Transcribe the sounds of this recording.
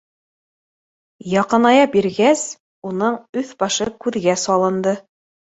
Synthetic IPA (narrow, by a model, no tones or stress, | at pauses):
jɑqɤ̆nɑjɑbiɾɡæs | unɤɴɵθbɑʃɤkʉðɡæsɑlˠɤ̆nd̪ɤ